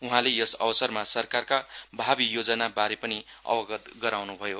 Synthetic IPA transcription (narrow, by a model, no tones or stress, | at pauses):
uɦãlejʌsʌ̰bʌsʌrmasʌrkarkabʱabijod͡zʌnabaɾepʌni | ʌ̰bʌɡʌt̪ɡʌɾawnubʱʌjo